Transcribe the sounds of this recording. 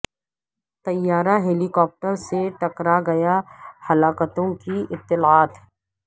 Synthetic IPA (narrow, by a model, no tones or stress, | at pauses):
t̪ɐjːaːɾaɦeːlikɔːp̚ʈəɾseʈɐkɾaɡɐjahɐlaːkət̪õkiɪt̪ːɪlaːt̪